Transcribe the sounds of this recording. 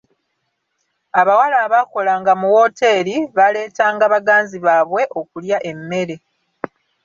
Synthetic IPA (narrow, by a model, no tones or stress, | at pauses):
aβawalaːβako̞laːŋɡamuwo̞te̞ːɾiβale̞ːtaːŋɡaβaɡaːnziβaːβwe̞ʔo̞kuljaʔe̞mːe̞ɾe̞